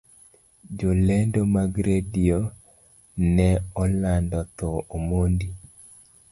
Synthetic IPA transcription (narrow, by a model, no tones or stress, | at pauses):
d͡ʒolendomaɡɾedio | nɛɔlandɔt̪ɔomondi